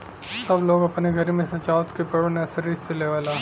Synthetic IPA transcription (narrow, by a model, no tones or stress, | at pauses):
sɐbloːɡɐpneɡʱɐɾmẽsɐt͡ʃaːʋt̪kepɐɽnasɐɾisseleʋaːlaː